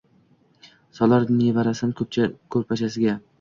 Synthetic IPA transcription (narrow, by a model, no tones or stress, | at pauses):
sɒlaɾnevaɾasankʰɵp̚t͡ʃʰakʰɵɾpʰat͡ʃʰasɪɡʲa